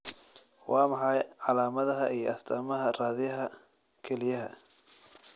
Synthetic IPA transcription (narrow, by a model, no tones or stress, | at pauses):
wɑːmɑħɑjʕɑlaːmɐðɐɦɐʔiːjɔ̰ʔɐst̪ʰɐːmɐɦɐraːðɪjɐɦɐ | kʰɛlɪjɐɦɐ̰